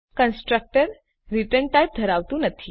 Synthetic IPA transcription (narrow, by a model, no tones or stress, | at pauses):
kənsʈɾək̚ʈəɾ | ɾiʈəɳʈajp̚d̪ʱəɾaʋt̪ũnət̪ʰi